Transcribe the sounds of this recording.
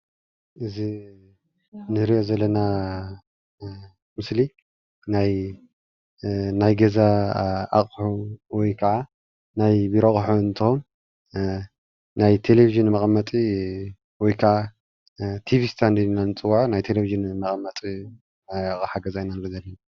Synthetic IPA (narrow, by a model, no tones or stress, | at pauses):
ʔɨzi | nɨɾiʔo̞zɐlːɐna | mɨsli | naj | najɡɐzaa̰χʼħuwɔjkʰɐʕa | najbiɾoχʼħont̪ʰɨom | najt̪ʰe̞leviʒɨnmɐχʼmːɐt̪ʼi | wɔjkʰaʕa | t̪ʰivist̪ʰand̪iinanɨt͡sʼɨwːaʕnajt̪ʰeleviʒɨnmɐχʼmːɐt̪ʼi | ħaɡɐzajnanɨizɐlːɐna